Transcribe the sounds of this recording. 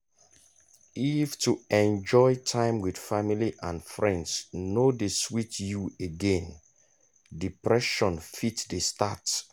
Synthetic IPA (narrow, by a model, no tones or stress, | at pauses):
iftʰuɛ̃nd͡ʒɔɪtʰãɪ̃mwid̥familiʔãnfɹɛ̃ndsnodeswitjueɡɛ̃n | dipɹɛʃɔ̃nfitdesta̰t